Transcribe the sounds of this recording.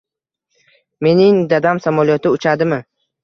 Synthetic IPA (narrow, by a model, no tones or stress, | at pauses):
me̞nɪŋd̪ad̪amsamɒlˠjɒt̪ɪʊt͡ʃʰad̪ɪmɪ